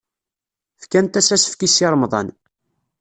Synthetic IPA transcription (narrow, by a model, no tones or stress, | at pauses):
fkænt̪æsæsə̥fkisiɾˤmðˤɑ̰n